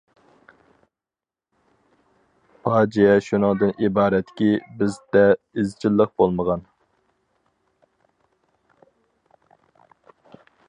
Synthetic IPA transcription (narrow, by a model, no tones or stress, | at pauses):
pʰɑːd͡ʒijɛʃunɨŋd̪ɨnʔibɑːɾɛt̪ːɪ̥kʲibɪzd̪ɛ | ɪzt͡ʃʰilˠːəq̚bolˠməʁɑn